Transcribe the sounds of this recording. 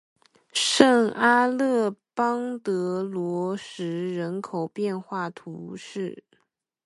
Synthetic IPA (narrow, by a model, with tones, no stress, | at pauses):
ʂə˥˩ŋa˥lɤ˥˩pɑ˥ŋt̪ɤ˧˥lwɔ˧˥ʂɻ̩˧˥ɻə˧˥nkʰo˨˩ʊpjɛ˥˧nxwa˥˩t̪ʰu˧˥ʂɻ̩˥˩